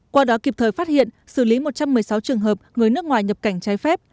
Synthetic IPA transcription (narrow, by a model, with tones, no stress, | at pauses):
kwaː˧ɗɔ˨˦ki˨˩p̚t̪ʰəː˨˩jfaː˦˥t̚hḭ˧˨ən | sɨ˧˩li˨˦mo˨˩t̚t͡ɕa˧mːɨ˨˩əjsa˨˦wt͡ɕɨ˨˩əŋɦəː˨˩p̚ŋɨ˨˩əjnɨ˦˥ək̚ŋwaː˨˩jɲə˨˩p̚ka˧˩jŋ̟t͡ɕaː˨˦jfɛ˦˥p̚